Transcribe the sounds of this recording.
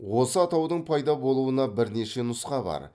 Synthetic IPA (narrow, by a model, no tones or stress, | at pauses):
wo̞səɑt̪ɑwd̪əɴpʰɑjd̪ɑbo̞lˠuənɑbɪɾne̞ʃe̞nʊsqɑbɑ̰ɾ